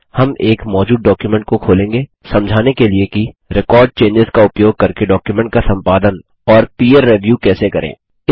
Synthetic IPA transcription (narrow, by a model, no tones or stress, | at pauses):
hɐmeːkmɔːd͡ʒuːd̪̚ɖɔːkjumɛ̃ɳʈ̚kokʰoːlẽːŋɡe | sɐ̃md͡ʒʱaːnekeliekiɾɪkɔːɾɖ̚t͡ʃẽːɲd͡ʒɪzkaʊpjoːɡ̚kɐɾkeɖɔːkjumɛ̃ɳʈ̚kasɐ̃mpaːd̪ən | ɔːɾpiːeɾːeʋjuːkɛːsekɐɾʔḛ̃ː | ɪ